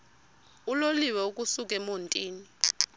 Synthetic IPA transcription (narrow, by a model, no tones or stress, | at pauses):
uloliwɛukʼusuk̬ʼɛmontʼiːni